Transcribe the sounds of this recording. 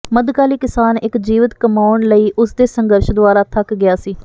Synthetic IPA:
məd̪kaːliːkɪsaːnɪkd͡ʒiːʋɪt̪kəmaːʊɳləiːʔʊsd̪eːsəŋɡəɾʃd̪ʊaːɾaːt̪ʰəkɡɪjaːsiː

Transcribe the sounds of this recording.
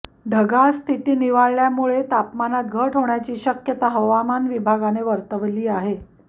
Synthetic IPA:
ɖʱəɡast̪ʰit̪iːniʋaɭɭjamuɭet̪apmanat̪̚ɡʱəʈɦoɳjat͡ɕiːɕəkjət̪aɦəʋamanʋibʱaɡaneʋəɾt̪əʋliːaɦe

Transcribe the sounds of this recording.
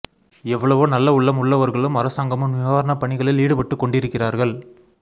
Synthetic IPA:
ɛʋːɐɭɐʋoːnɐlːɐʊɭːɐmʊɭːɐʋɐɾɣɐɭɯmɐɾɐsaːŋɡɐmɯmnʋɪʋaːʋɐɾɐɳɐpɐɳɪɣɐɭɪliːɽɯpɐʈːɯkːɔɳɖɪɾɯkːɪraːɾɣɐɭ

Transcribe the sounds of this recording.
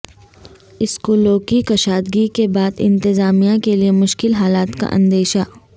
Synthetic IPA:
ɪskoloːkikɐʃaːd̪ɡikebaːd̪ɪ̰̃nt̪ɪzaːmijakeliemʊʃkɪlɦaːlaːt̪ka̰ʔɐ̰̃nd̪eːʃa

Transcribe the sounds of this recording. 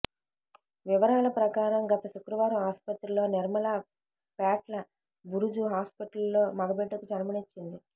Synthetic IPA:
ʋiʋɐɾaːlɐpɾɐkaːɾɐmɡɐt̪ɐʃukɾuʋaːɾɐmɦaːspɐt̪ɾɐlo̞ːniɾmɐlaː | paːʈlɐ | buɾud͡ʒuɦaːspiʈɐllo̞ːmɐɡɐbeʈːɐkud͡ʒɐnmɐnit͡ʃːind̪i

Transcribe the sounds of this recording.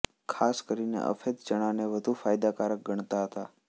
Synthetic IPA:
kʰaskəɾinḛʔə̰fʰet̪t͡ʃəɽ̃aneʋəd̪ʱufajd̪akaɾək̚ɡəɳ̃t̪aɦət̪a

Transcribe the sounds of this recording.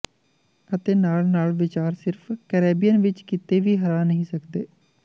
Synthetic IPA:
ət̪eːnaːlnaːlʋɪt͡ʃaːɾsɪɾfʰkəɾeːbijənʋɪt͡ʃkɪt̪eːʋiːɦəɾaːnəɦĩːsəkd̪eː

